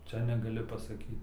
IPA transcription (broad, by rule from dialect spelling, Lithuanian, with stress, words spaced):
ˈt͡ʃʲɛ nʲɛɡɐˈlʲɪ pɐsɐˈkʲiːt